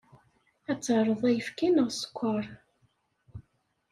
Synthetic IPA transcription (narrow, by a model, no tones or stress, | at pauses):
æt͡sːəɾˤəðˤæjəfkænəʁsə̥kʷːɑɾˤ